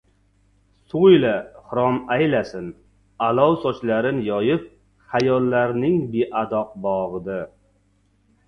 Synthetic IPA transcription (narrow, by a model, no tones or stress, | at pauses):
sojlahʊɾɒmajlasɪn | alɒwsɒt͡ʃlaɾɪnjɒjɪp̚ | hajɒlːaɾnɪŋbeʔad̪ɒq̚bɒʁɨd̪ɪ